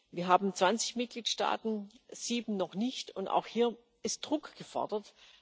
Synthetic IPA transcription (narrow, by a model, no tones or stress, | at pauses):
viːɐɦaːbm̩t͡sv̥ant͡sɪ̥çmɪt̚ɡ̥liːtʃta̰ːtn̩z̥iːbm̩nɔχnɪçtʊnta̰ʊxhiːɐ | ʔɪst̚d̥ʁʊkɡ̥əfɔ̰ɐdɐt